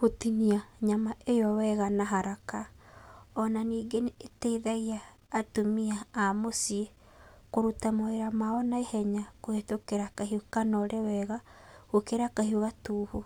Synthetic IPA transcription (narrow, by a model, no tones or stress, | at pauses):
hotiniaɲamaʔejɔwɛɣanaɦaɾaka | ɔnaniːɡeneteiðaiaː | tomiaːmosie | koɾutamoeɾamawɔnaehɛɲakoɣetokeɾakaɦiokanɔɾʔewɛɣa | ɣokeɾakahioɣatuːhu